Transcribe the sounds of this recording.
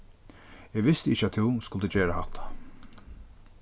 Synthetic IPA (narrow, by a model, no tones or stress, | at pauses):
ɛɡʋɪst̪əɪçt͡ʃːat̪ʰɪwskʊlt̪əd͡ʑeːɾahat̪ʰːḁ